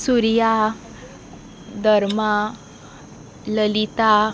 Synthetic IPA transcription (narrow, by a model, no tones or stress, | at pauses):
suɾja | d̪ʱəɾma | ləlit̪a